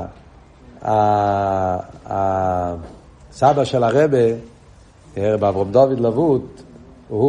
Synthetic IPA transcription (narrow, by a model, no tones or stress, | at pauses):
a | a | sabaʃɛlaʁɛbe | ɛʁɛbavʁɔmd̪ɔvid̪lavut̪ | hu